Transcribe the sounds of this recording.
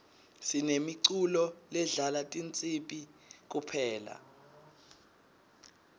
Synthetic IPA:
sinemiǀulɔlɛɮalatʼint͡sʼipʼik̬upʰɛːla̰

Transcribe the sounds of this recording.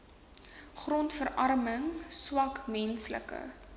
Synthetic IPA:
χrɔntfəɾʔɐrməŋswɐkmɛnslə̰kə̰

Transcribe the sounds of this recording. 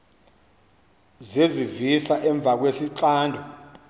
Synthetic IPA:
zezivisaʔɛɱb̪vʱak̬wesiǃaːndʱɔ

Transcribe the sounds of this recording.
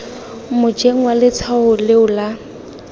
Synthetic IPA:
mʊd͡ʒeŋ̩walɪt͡sʰahʊleʊla

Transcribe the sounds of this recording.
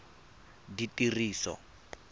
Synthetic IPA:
ditʼiriːsɔ̰

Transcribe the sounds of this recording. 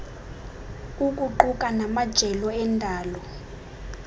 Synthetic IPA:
ukʼuǃukʼanamad̥ʒ̥ʱɛlɔɛndʱaːlɔ

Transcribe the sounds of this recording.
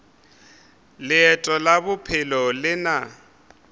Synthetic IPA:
lɪɛtʼɔlabʊpʰɪlɔlɪna

